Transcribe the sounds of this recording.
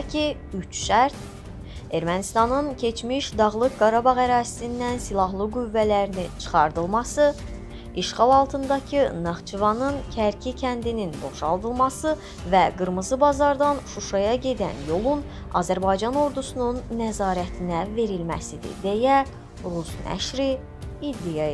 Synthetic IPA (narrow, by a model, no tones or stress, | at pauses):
cʰi | yt͡ʃʃæɾt̪ | e̞ɾmænist̪ɑnɯncʰe̞t͡ʃmiʃd̪ɑʁlˠɯk̚ɡɑɾɑbɑɣæɾɑːsi̥sind̪ænsilˠɑɦlˠɯɡuvːælæɾinit͡ʃʰɯ̥χɑɾd̪ɯlˠmɑsɯ | iʃχɑlˠɑlˠt̪ʰɯnd̪ɑcʰɯnɑʁt͡ʃʰivɑnɯncʰæɾcʰicʰænd̪ininbo̞̰ʃɑ̰lˠd̪ɯlˠmɑsɯ | væɡɯɾmɯzɯbɑzɑɾd̪ɑnʃuʃɑjɑɟe̞d̪æ̰njo̞lˠun | ɑ̰ːzæɾbɑjd͡ʒɑno̞ɾd̪usununːæzɑːɾæt̪ʰinæve̞ɾilmæ̰sid̪ḭd̪e̞jæ | ɾusnæ̰ʃɾiː | d̪ːijɑ